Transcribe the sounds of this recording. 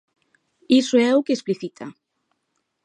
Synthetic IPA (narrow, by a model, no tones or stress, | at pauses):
isoɛʊkeːspliθit̪ʰa̰